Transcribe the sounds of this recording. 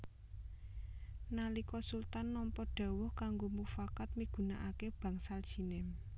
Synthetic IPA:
nalikɔsult̪anːɔmpɔɖ̥a̤wʊhkaŋɡomufakat̪̚miɡ̥ṳnaʔakeb̥ä̤ŋsald̥ʒ̥i̤nem

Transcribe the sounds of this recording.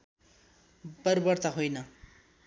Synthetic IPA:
bʌrbʌrt̪aɦojnʌ

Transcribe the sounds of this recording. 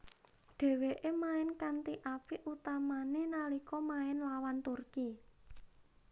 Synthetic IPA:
ɖ̪̥ɛ̤weʔemaɪnkant̪iʔapiʔut̪amanenalikɔmaɪnlawant̪urki

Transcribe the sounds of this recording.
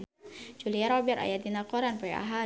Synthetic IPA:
d͡ʒuliaɾɔbɛɾʔa̰jat̪ːinakɔɾanpɔja̰ɦa

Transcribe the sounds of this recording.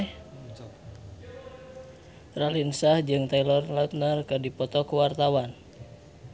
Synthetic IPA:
ralinsahd͡ʒɨŋt̪ailɔrlaut̪̚narkɨdipɔt̪ɔkuwart̪awan

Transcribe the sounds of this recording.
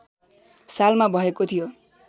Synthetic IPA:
salmabɔɦekot̪ʰijo

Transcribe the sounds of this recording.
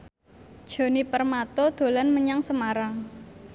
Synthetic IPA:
d̥ʒ̥o̤nipərmat̪od̪̥o̤lanməɲaŋsəmaɾaŋ

